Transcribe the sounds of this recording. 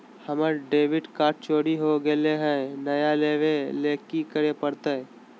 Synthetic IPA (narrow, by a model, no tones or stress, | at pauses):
həməɾɖeːʋɪɖkaːɾʈ̚t͡ʃoːɾiɦoɡeleɦɛ̃nəjaleːʋeleːkikəɾepəɾt̪e